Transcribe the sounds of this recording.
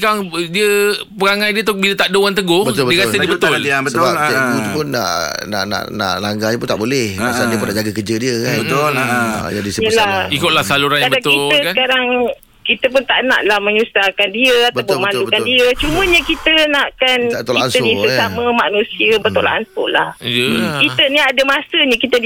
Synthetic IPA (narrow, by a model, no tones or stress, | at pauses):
kaŋdiəpəɣaŋãjdiət̪ʊbilət̪aʔdowant̪̬əɡʊhbət̪lbədiəkalədiəbət̪ʊlbəaut̪upʊnːa̰ʔna̰ʔna̰ʔna̰ʔlaŋɡaɲəpʊnt̪aʔbolɛhasaldiəp̬ʊnːaʔd͡ʒaɡakəd͡ʒədiəkanbə̰ | d͡ʒadisəjəlahikʊt̪̚lahsaluɾanaabaʊiəskankaɾaŋ | kit̪əp̬ʊnt̪aʔna̰ʔlahmə̃ɲusahkandiəat̪bəawpʊbmãndubətkandiət͡ʃumə̃ɲəkit̪ənaʔkanaʔt̪olaiʔansəʊnisamə̃manũsiəbət̪ola̰ʔansʊ̰ʔla̰hjəkit̪əniadəmasəɲə̃kit̪ə